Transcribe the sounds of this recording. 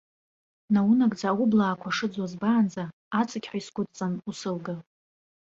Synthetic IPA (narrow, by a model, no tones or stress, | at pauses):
nawunakʼd͡zaːwʊblaːkʷʰaʂɨd͡zwazbaːnd͡za | at͡sʰʼakʲħʷaisɡʷʊt͡sʼt͡sʼanusɨlɡa